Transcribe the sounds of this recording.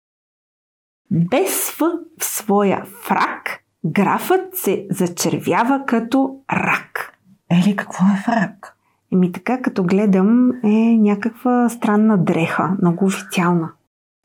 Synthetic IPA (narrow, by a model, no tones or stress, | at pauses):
bɛsfəfsvɔjə̰fɾa̰k | ɡɾa̰fət̪sɛzɐt͡ʃɛɾvʲjavəkɐt̪ɔɾa̰k | ɛlikɐ̥kvɔɛfɾak | ɛmit̪ɐ̥kakɐt̪ɔɡlɛd̪əmɛnʲakəkvəst̪ɾanːəd̪ɾɛxə̰mnɔɡʊːfi̥t̪sialˠnə